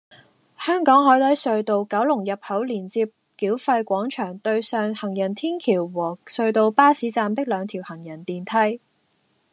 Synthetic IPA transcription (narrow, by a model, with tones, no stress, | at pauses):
hœː˥ŋkɔː˨˥ŋɦɔː˨˥jt̪ɐ˨˥jsɵ˧ɥt̪o˧wkɐ˨˥wlʊ˨˩ŋjɐ˨p̚hɐ˨˥wliː˨˩nt͡siː˧p̚ | kiː˨˥wfɐ˧jkʷɔː˨˥ŋt͡ʃʰœː˨˩ŋt̪ɵ˧ɥsœː˨˧ŋhɐ˨˩ŋjɐ˨˩nt̪ʰiː˥nkʰiː˨˩wwɔː˨˩sɵ˧ɥt̪o˧wpaː˥siː˨˥t͡saː˧mt̪ɪ˥k̚lœː˨˧ŋt̪ʰiː˨˩whɐ˨˩ŋjɐ˨˩nt̪iː˨nt̪ʰɐ˥j